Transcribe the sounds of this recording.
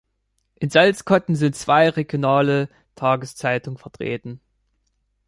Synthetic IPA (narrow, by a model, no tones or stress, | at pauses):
ʔɪnzalt͡skɔtn̩zɪntt͡sv̥aɪʁeɡjonaːlə | tʰaːɡəst͡saɪtʊŋənfɛɐtʁ̥ḛːtn̩